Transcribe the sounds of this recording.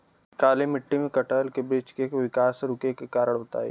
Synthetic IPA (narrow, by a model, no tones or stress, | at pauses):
kaːlimɪʈːimẽkɐʈəlkebiːt͡ʃkeːkʋɪkaːsɾʊkekekaːɾəɽbɐt̪a̰ːḛː